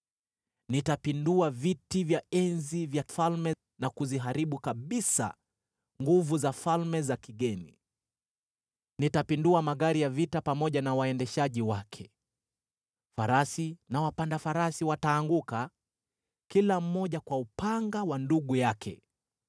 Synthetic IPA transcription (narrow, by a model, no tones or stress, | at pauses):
nitapinduavitivjaɛnzivjafalmɛ | nakuziɦaɾiɓukaɓisa̰ | ŋɡuvuzafalmɛzakiɠɛni | nitapinduamaɠaɾijavitapamɔʄanawaɛndɛʃaʄiwakʰɛ | faɾasinawapandafaɾasiwataːŋɡuka | kilam̩ːɔʄakwaupaŋɡawanduɠujakʰɛ̰